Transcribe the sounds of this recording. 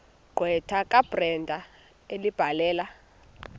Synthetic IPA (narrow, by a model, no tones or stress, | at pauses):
ɡ͡ǃʱwɛtʰakʼab̥rɛndʱa | elib̥ʱalɛːla